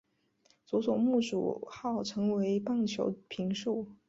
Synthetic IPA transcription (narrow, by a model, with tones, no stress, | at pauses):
t͡su˧˥swɔ˨˩mu˥˩ʈ͡ʂṵ˨˩xɑ˥˩ʊʈ͡ʂʰɤ˧˥ŋwe˧˥ɪpɑ˥˩ŋt͡ɕʰjo̰˧˥ʊpʰi˧˥ŋʂu˥˩